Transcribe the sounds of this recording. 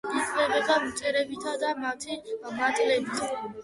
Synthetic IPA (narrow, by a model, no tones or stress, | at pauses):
isʼlɛbɛb̪amt͡ʃʼɛɾɛbit̪ʰad̪amat̪ʰimat̪ʼlɛbit̪ʰ